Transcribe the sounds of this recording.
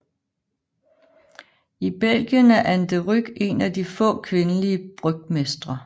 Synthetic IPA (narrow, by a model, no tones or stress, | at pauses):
ib̥el̰ɡ̥jənæɐʔænd̥əʁyɡ̥e̝næd̥ifɔ̰̽ːkʰʋe̝nəliəb̥ʁœɡ̥̚mesd̥ʁɐ